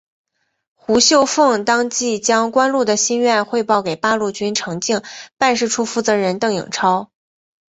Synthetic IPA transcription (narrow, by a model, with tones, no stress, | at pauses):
xu˧˥ɕjo˥˧ʊfɤ˥˩ŋt̪ɑ˥ŋt͡ɕi˥˩t͡ɕjɑ˥ŋkwa˥nlu˥˩d̪ə˩ɕi˥nɥɛ˥˧nxwe˥˧ɪpɑ˥˩ʊke˨˩ɪpa˥lu˥˩t͡ɕy˥nʈ͡ʂʰɤ˧˥ŋt͡ɕi˥˩ŋpa˥˧nʂɻ̩˥˩ʈ͡ʂʰu˥fu˥˩t͡sɤ˧˥ɻə˧˥nt̪ɤ˥˩ŋjḭ˨˩ŋʈ͡ʂʰɑ˥ʊ